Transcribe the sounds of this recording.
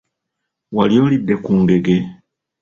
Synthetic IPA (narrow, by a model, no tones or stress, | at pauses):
waljoːlidːe̞kuːŋɡe̞ɡe̞